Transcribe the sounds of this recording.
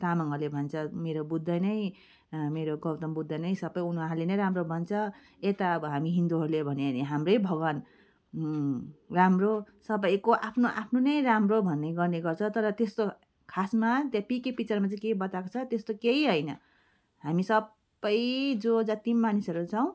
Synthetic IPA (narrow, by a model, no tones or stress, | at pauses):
t̪amʌŋʌlebʱʌnt͡sʰʌmeɾobud̪ʱːʌjnʌj | meɾoɡʌwt̪ʌmbud̪ʱːʌnʌjsʌbʌjunaɾlenʌjɾamrobʱʌnt͡sʰʌ | et̪aʌbʌɦamiɦind̪uɦʌɾlebʱʌneniɦamrʌjbʱʌɡʌn | ramrosʌbʌjkoʔapʰnoʔapʰnonʌjɾamrobʱʌnːejɡʌrneɡʌrt͡sʰʌt̪ʌɾʌt̪est̪o | kʰasmat̪japikipit͡sʌrmat͡sʌ̃ĩkeibʌt̪ako̥t͡sʰʌt̪est̪okeiɦʌjnʌ̰ | ɦamisʌb | ʌjd͡zod͡zʌt̪imːanisʌɾut͡sʰʌw̃